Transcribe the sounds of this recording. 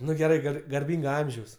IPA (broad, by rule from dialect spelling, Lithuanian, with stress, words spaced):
ˈnʊ ɡʲɛˈrɐɪ ˈɡɐr ɡɐrʲˈbʲiːŋɡɐ ˈɐmʲʒʲɛʊs